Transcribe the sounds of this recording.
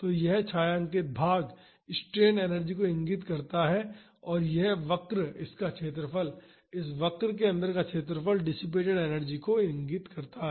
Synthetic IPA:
t̪oːjɛɦt͡ʃʰaːjãːŋkebʱaːɡ | ɪsʈɾeːneːnəɾd͡ʒikoɪ̃ŋɡɪt̪kɐɾt̪aɦɛ | ɔːɾjɛɦʋɐkɾɪskakt͡ʃʰeːt̪̬ɾəpəl | ɪsʋɐkɾk̬eɐ̃nd̪əɾkat͡ʃʰeːt̪̬ɾəpəlɖɪsɪp̬eːʈeɽeːnəɾd͡ʒikoɪ̃ŋɡɪt̪kɐɾt̪aɦɛː

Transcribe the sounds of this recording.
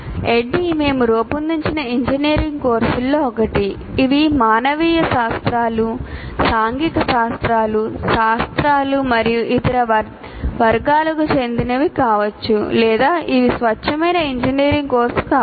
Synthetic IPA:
eɖːime̞ːmuɾoːpund̪iɲt͡ʃinɐiɲd͡ʒɐniːɾiŋɡko̞ːɾsulːo̞ːɔkɐʈiː | ʋimaːnɐʋiːjɐʃaːst̪ɾaːlusaːŋɡit̪ɐʃaːst̪ɾaːluʃaːst̪ɾaːlumɐɾijuʔit̪ɐɾɐʋɐ | ʋɐɾɡaːlɐkut͡ʃe̞nd̪inɐʋikaːʋɐt͡ʃːulɛːd̪aːʔiʋisʋɐɐmɐjnɐiɲd͡ʒiniːɾiŋɡko̞ːɾsu̥kaː

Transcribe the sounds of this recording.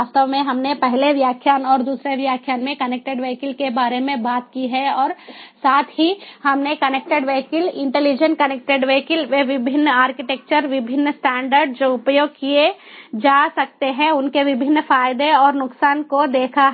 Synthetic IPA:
ast̪əʋmẽɦɐmnepɛɦleʋjaːkʰjaːnɔːɾd̪uːsɾeʋjaːkʰjaːnmẽkɐnek̚ʈeɖʋeːkɪlkebaːɾemẽbaːt̪kiɦɛɔːɾsaːt̪ʰɦihɐmnekɐneːk̚ʈeɖʋeːkɪlɪ̃ɳʈelid͡ʒənkɐnek̚ʈeɖʋeːkɪlʋeʋɪbʱɪnːaːɾkɪʈek̚t͡ʃəɾʋɪbʱɪnːsʈɛ̃ːɳɖəɾɖd͡ʒoʊpjoːɡ̚kied͡ʒaːsɐk̚t̪eɦɛ̃ʊnkeʋɪbʱɪnːfaːɪd̪eɔːɾnʊksaːnkod̪eːkʰaɦɛ

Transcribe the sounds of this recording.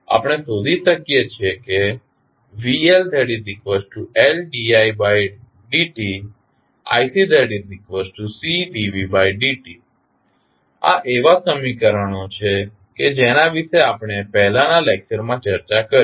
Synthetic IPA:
a̰pɳ̃esod̪iʃəkijet͡ʃʰeke | ʋield̪eɖid̪ikʋesʈʈuelɖiajbaj | ɖiʈi | a̰jsid̪eɖidikʋəsʈʈusiʈiʋibaiɖiʈi | a̰ʔeʋasəmikəɾəɳ̃ot͡ʃʰe | ked͡ʒenaʋiʃeapɽ̃epɛɦlãnalek̚t͡ʃəɾmãt͡ʃəɾt͡ʃakəɾ

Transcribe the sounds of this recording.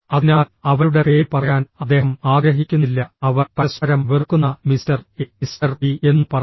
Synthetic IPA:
ɐðinaːlɐʋɐɾuɽepeːjipːɐrɐjaːnɐd̪ːe̞ːɦɐmaːɡɾɐɦikʲːunːilːɐɐʋɐrpɐsɐɾɐmʋirkːunːɐmistɐrisɐrie̞nːɨpɐrɐ

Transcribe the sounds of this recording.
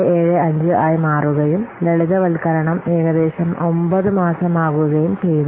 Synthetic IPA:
eːɻɨɐɲd͡ʑɨʔaːjmaːruɣɐjumleɭiðɐʋɐlkɐɾɐɳɐmeːɻɐd̪eːɕɐmo̞mbɐðɨmaːsɐmaːɣuɣɐjumt͡ɕejːunɐ

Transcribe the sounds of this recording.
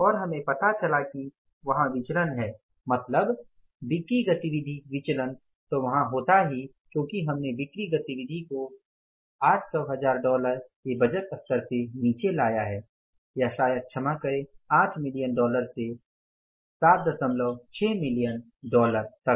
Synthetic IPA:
ɔːɾɦɐmẽpɐt̪at͡ʃɐlaki | ʋɐɦãʋɪt͡ʃlənɦɛː | mɐt̪ləb | bɪkɾiɡɐt̪iʋɪd̪ʱiʋɪt͡ʃlən | t̪oʋɐɦãɦoːt̪aɦi | kjõːkiɦɐmnebɪkɾiɡɐt̪iʋɪd̪ʱiko | aːʈʰsɔɦɐzaːɾɖɔːləɾkebɐd͡ʒət̪ɐft̪əɾseniːt͡ʃelaːjaɦɛː | jaʃaːjəd̪̚t͡ʃʰɐmakəɾeãːt͡ʃmɪlijənɖɔːləɾse | saːt̪̚d̪ɐsəmləʋt͡ʃʰɛːmɪlijən | ɖɔːləɾt̪ɐ

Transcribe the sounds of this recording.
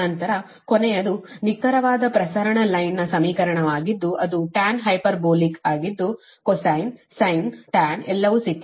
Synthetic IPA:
ɐnt̪ɐɾɐ | konejɐd̪unikːɐɾɐʋaːd̪ɐpɾɐsɐɾɐɳɐlɐjnːɐsɐmiːkɐɾɐɳɐʋaːɡid̪ːuʔɐd̪uʈaːnɦɐjpɐɾboːlikaːɡid̪ːu | kɔsɐjnsɐjnʈaːnɛlːɐʋusik̪ː

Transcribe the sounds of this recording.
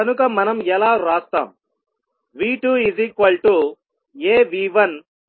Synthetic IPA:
ɐnukɐmɐnɐmɛlaːɾaːst̪a̰ːm | ʋiːʈuizikɐlʈu | eːʋiːʋɐn

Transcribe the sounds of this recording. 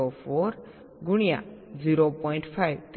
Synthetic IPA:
opʰoɾ | ɡuɽ̃ija̰d͡ziɾopɔiɳʈpʰajwt̪

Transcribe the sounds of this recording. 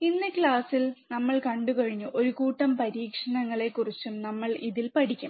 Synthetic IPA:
inːɐkɭaːsilnɐmːɐɭkɐɳɖukɐɻiɲːuʔo̞ɾukuːʈːɐmpɐɾiːkʂɐnɐŋːɐɭe̞kːurit͡ɕːumnɐmːɐɭiðilpɐʈikʲːum

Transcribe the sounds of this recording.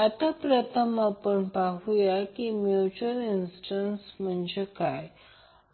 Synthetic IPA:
at̪apɾət̪ʰəmapəɳpaɦujakimjut͡ɕuəɾinsʈənsm̤əɳd͡ʑekaj

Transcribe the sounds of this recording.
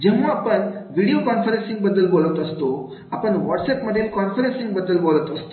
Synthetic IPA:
d͡ʑɛmːaapəɳʋiɽijokɔnfəɾẽnsĩŋɡbəd̪ːəlbolət̪əst̪o | apəɳʋɔʈsepməd̪ʱːjelkɔnfəɾẽnsĩŋɡbəd̪ːəlbolət̪əst̪

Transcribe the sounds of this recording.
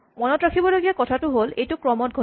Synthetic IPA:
mɔnɔtɹakʰibɔloɡijakɔtʰatʊɦolejtʊkɹɔmɔt̚ɡʱo

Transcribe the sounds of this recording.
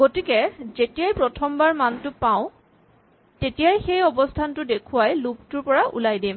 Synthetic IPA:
ɡ̥otikɛzetijajpɹɔtʰɔmbaɹmantʊpaʊ̃ | tetijajxejɔbɔstʰantʊdekʰuwajlʊb̚tʊɹpɔɹaʔṵlajdim

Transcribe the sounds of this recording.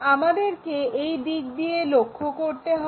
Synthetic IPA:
amad̪eɾkeejd̪ikd̪ijelokʰːokoɾt̪eɦɔ

